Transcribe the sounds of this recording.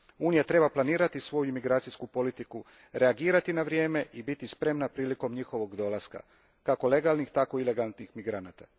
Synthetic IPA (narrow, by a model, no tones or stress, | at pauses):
uːnijat̪ɾe̞baplaniːɾat̪isʋo̞juimiɡɾaːt̪sijskupo̞lit̪iku | ɾe̞aɡiːɾat̪inaʋɾje̞ːme̞ʔibit̪ispɾe̞mnapɾiːliko̞mɲixo̞ʋo̞ɡd̪o̞lˠaska̰ | kako̞le̞ɡalˠnixt̪ako̞ile̞ɡant̪nixmiɡɾanaːt̪a